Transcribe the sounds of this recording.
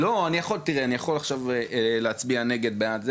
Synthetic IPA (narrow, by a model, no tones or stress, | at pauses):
lo̞anijaχo̞lt̪iʁeanijaχo̞laχʃaveleat͡sbiane̞ɡe̞d̪̚beat̪ze